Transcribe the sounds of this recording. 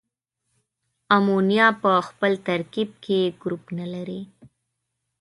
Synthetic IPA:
amunjɑpəxpəlt̪aɾkib̚kʰeɡɾupnalaɾi

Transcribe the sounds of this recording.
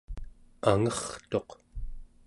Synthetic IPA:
aŋʌχt̪o̞q

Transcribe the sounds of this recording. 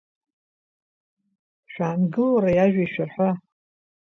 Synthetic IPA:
ʃᶣaːnɡɨlaɾajaʒᶣaiʃᶣarħʷa

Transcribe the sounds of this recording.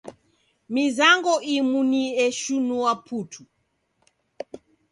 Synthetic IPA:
mizaŋɡɔʔimuniɛʃunuapʰutʰu

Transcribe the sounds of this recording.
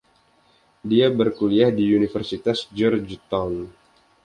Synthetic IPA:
diabərkuliahdiunifərsit̪asd͡ʒɔrd͡ʒt̪awn

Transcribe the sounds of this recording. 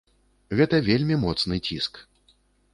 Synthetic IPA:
ɣɛt̪ɐvʲelʲmʲimɔt̪snɨt͡sʲisk

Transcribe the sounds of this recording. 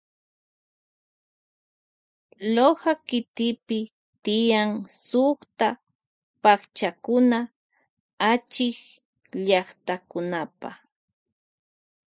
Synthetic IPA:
lohakɪt̪ɪpɪ | t̪ɪjaŋsoχt̪a | pakt͡ʃakʊna | at͡ʃɪk | ʎɑχt̪akʊnapa̰

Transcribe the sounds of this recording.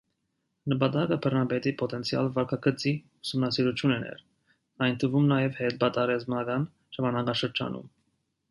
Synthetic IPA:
nəpɑt̪ɑkəpʰəɾnɑbɛt̪ipɔt̪ɛnt͡sʰijɑ̰lvɑɾkʰɑɡət͡si | usumnɑsiɾut͡ʃʰjunɛnɛ̰ɾ | ɑjnt̪ʰəvumnɑjɛvhɛt̪̚bɑt̪ɑɾɛzmɑɡɑn | ʒ̥ɑmɑnɑkɑʃəɾd͡ʒɑ̰nṵm

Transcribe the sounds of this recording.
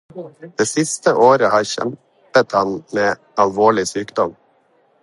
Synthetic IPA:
d̪̥eːsɪst̪əʔoːɾəhɑːɾçɛ̰m | pət̪hɑnmeː | ɑlʋoːɭɪsyːkd̪ɔm

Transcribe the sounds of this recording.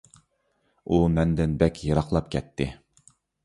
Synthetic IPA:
umɛnd̪ɪnbɛkʲjɑɾɑqlˠɑpkʲʰɛt̪ʰːɪ

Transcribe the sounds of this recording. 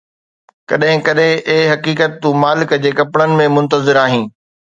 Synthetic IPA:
kɐ̰ɗɦɪ̃kɐɗɦɪ̃ʔeɦɐkiːkət̪ːũmaːlɪkd͡ʑeːkɐpɽənɪ̆mẽmʊ̃nt̪əzɪɾaːɦĩː

